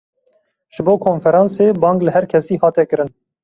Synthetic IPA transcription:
ʒ̥ɨboːkʰoːnfɛɾɑːnseːbɑːŋɡlɨhɛɾkʰɛsiːhɑːt̪ɛkɨɾɨn

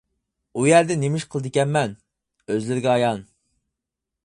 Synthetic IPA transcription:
ujæɾd̪ɛnemɪʃqʰəlˠɨd̪ɪkʲɛnmɛn | øzlɪɾɪɡʲɛɑjɑn

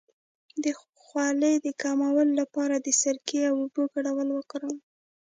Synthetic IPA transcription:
d̪ə | xwɑləjd̪əkɑmawəllapɑɾad̪əsaɾkeawuboɡaɽawəlwəkɾəl

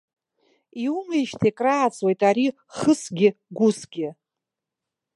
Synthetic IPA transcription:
iumejʃtʰekʼraːt͡sʼwe̞jtʼaɾi | χəsɡʲɪɡʷʊsɡʲɪ

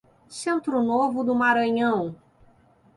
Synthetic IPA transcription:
sẽnt̪ɾʊnovʊd̪ʊmaɾɐ̃ɲɐ̃w̃

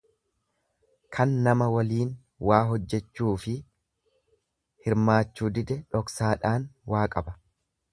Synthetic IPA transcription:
kʰɐnːɐmɐwɐliːn | wʔaːɦɔd͡ʒːɛt͡ʃːuːfɪ | hɪɾmaːt͡ʃːuːd̪ɪd̪ɛᶑɔksaːᶑaːnwʔaːkʼɐbɐ̥

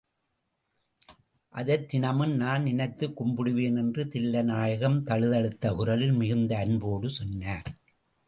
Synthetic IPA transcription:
ʔɐðɐt̪ːɪnɐmɯnnaːnnɪnɐɪt̪ːɯkːʊmbɪɽɯʋeːnɛndrɯt̪ɪlːɐnaːjɐɣɐmt̪ɐɻɯðɐɽɯt̪ːɐʔʊɾɐlɪlmɪɣɯnd̪ɐːnboːɽɯsɔnːaːɾ

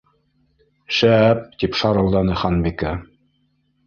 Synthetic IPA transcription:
ʃæp̚t̪ipʃɑɾɤ̆lˠd̪ɑnɤχɑnbikæ

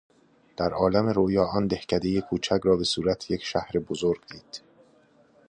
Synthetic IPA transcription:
d̪̥æɾʔɒːlæmeɾojɒːʔɒːnd̪e̞hcʰæd̪e̞jekʰuːt͡ʃʰæcɾɒːbe̞suːɾæt̪ʰjecʰʃæhɾebozoɾɡd̪iːd̪̥

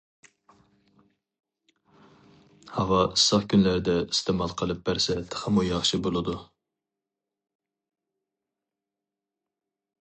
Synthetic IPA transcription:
hɑvɑisɑχkʲʰynlæɾɪd̪ɛist̪emɑlˠqʰəlˠɨp̚bæɾsɛt̪ʰːχəmujɑχʃibolˠɨd̪u

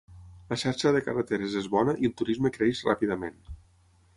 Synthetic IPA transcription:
ləʃaɾʃəðekərət̪eɾezezβɔnəʔilˠt̪uɾizməkɾeeʃra̰piðəmen

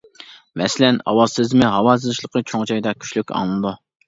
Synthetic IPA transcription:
mɛsɪlɛnɑ̰wɑzɨzmɪɦɑwɑːsɨzɨʃlˠəqʰət͡ʃʰoŋd͡ʒɑjd̪ɑkʲʰy̥ʃlykʲɑ̰ŋlˠɨd̪u

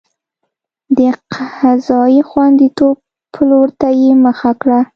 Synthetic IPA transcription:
d̪əqʰazɑjixwand̪it̪ob | pʰːəloɾt̪ajeməxakɽa

